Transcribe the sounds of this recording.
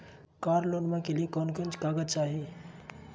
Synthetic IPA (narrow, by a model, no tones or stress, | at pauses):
kaːɾloːnmãkeliekɔnkənt͡ʃkaːɡəd̪̚t͡ʃaːɦi